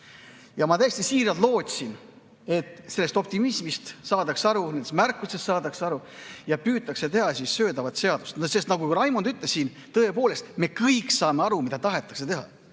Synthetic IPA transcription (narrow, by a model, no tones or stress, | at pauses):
jɑmɑt̪æjest̪isiːɾɑlt̪lo̞ːt̪ʲsin | e̞t̪ːˑse̞lːest̪o̞p̚t̪imismist̪sɑːd̪ɑksɑɾune̞nd̪est̪mærkːusest̪sɑːd̪ɑkseɑɾujɑpyːt̪ːˑɑkse̞t̪e̞ɦɑsissø̞ːd̪ɑvɑt̪se̞ɑd̪̥ust̪nse̞st̪nɑɡujɾɑjmod̪yt̪lesin | t̪ɤepo̞ːle̞st̪me̞kɤjksɑːme̞ɑɾumid̪ɑt̪ɑɦe̞t̪ːˑɑkse̞t̪e̞ɦɑ̰